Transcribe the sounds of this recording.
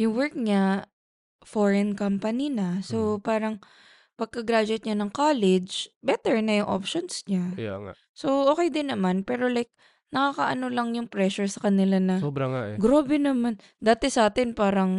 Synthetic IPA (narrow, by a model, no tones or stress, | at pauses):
jʊŋwɛɹk̚ɲa | foɹɛnkɐmpɐninɐso̞paːɾɐŋ | pɐɡ̚kɐɡɾaːd͡ʒɛt̪̚ɲanɐŋkaːlɛd͡ʒbɛt̪ɛɹnɐjʊŋʔo̰pʃonsɲaja̰ŋa̰ | so̞ʔokɛjd̪ɪnːɐmanpɛːɾo̞lajk̚ | nɐkaːkɐʔɐnolɐŋjʊŋpɾɛʃʊɹsɐkɐnɪlanɐoːbɾɐŋaʔɛɡɾoːbɛnɐman | d̪aːt̪ɛsɐaːt̪ɪnpaːɾɐŋ